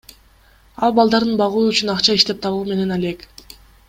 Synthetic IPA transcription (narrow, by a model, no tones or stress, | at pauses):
ɑlˠbɑlˠd̪ɑɾd̪ɯnbɑʁuːyt͡ʃynɑqt͡ʃɑiʃt̪e̞p̚t̪ʰɑβume̞ne̞nɑle̞k